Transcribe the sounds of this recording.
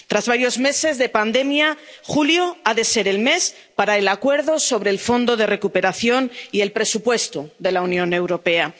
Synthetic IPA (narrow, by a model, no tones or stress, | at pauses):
t̪ɾazβaɾjo̞zme̞se̞zðe̞pand̪e̞mjaxuljoaðe̞se̞ɾe̞lme̞s | paɾaelakwe̞ɾðo̞so̞β̞ɾe̞ːlfo̞nd̪o̞ðe̞re̞kupe̞ɾaθjo̞nie̞lpɾe̞supwe̞st̪uðe̞launjõ̞ne̞wɾo̞pe̞a